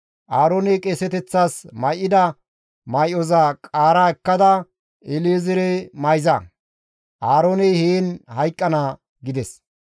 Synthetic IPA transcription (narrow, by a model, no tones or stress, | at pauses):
ʔaːɾoːnɛkʼesɛt̪ɛt͡sːaːsmɐjʔɪd̪ɐ | mɐjɔzɐkʼaːɾaːɛkːɐd̪ɐ | ʔɪleːzɪɾɛmɐjzɐ | ʔaːɾoːnɛjheːnhɐjkʼːɐnɐ | ɡɪd̪ɛs